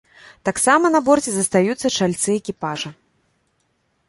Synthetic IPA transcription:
t̪aksamɐnɐbɔrt͡sʲɛzɐst̪ajut̪sːɐt͡ʂalʲt̪sɨɛkʲipaʐɐ

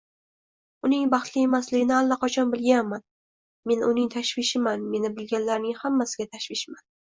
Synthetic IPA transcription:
ʊnɪŋbɑχt̪lɪjemaslɪɡʲɪnɪalːaqʰɒt͡ʃʰɒnbɪlɡʲanman | me̞nʊnɪŋt̪ʰaʃvɪʃɪmanme̞nɪbɪlɡʲanlaɾnɪŋhamːasɪɡʲat̪ʰaʃvɪʃman

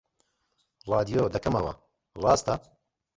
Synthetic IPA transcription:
rɑːd̪ijoːd̪ɐkɐmɐ̰wɐ̰ | rɑːst̪ɐ

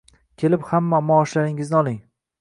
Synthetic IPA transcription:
kʲʰe̞lɪphamːamɒːʃlaɾɪŋɪznɪɒlˠɪŋ

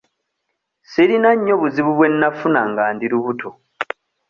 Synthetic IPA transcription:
siɾinaɲːo̞βuziβuβwe̞nːafunaŋɡaːndiɾuβutʰo

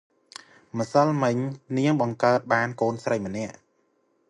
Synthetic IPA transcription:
mə̆səlmɨɲniəŋɓɑŋkaət̪̚ɓaːnkoːnsrəjmə̆nɛ̆əʔ

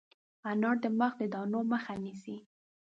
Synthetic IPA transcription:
anɑɽ̚d̪əməxd̪əd̪ɑnoməxanisi

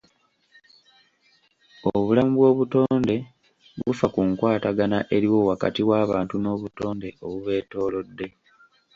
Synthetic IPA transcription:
oβulamuβwo̞ːβuto̞ːnde̞ | βufakuŋkwaːtaɡanaʔe̞ɾiwo̞waka̰tiwaːβaːntuno̞ːβuto̞ːnde̞ʔoβuβe̞ːto̞ːlo̞dːe̞

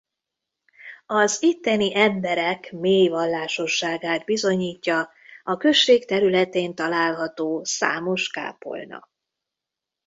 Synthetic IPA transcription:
ɒzit̪ːɛniʔɛmbɛɾɛkmeːjvɒlːaːʃo̞ʃːaːɡaːd̪bizo̞ɲiːcːɒ | ɒkø̞ʃːeːkt̪ɛɾylɛt̪eːnt̪ɒlaːlɦɒt̪oːsa̰ːmo̞ʃka̰ːpo̞̰lnɒ̰k

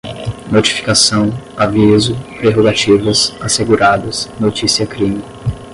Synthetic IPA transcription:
not͡ʃi̥fi̥kasɐ̃w̃ | avizʊpɾeɦoɡat͡ʃivɐsaseɡuɾad̪ɐsnot͡ʃisiɐkɾĩmi

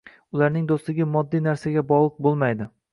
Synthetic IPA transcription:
ʊlˠaɾnɪŋd̪oslɪɡʲɪmɒd̪ːijnaɾsaɡʲabɒʁlˠɨq̚bolˠmajd̪ɪ

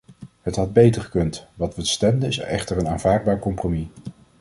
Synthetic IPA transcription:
ɦətɦɑd̚bejtəɹχə̥kɵntʋɑtʋəstɛmdəɪsɛ̰χtəɹənaːnv̥aːɹd̚baːɹkɔmpromi

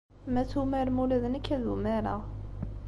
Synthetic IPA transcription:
mæt͡sːumæɾmulæðənækːæðumæɾa

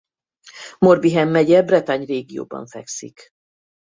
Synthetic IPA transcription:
morbiɦɛmːɛɟɛbrɛt̪aɲreːɡijo̰ːbɒ̰ɱfɛksḭk

